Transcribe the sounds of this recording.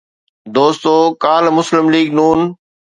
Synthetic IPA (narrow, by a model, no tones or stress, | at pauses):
d̪oːst̪oːkaːlmʊslɪmliːɡnuːn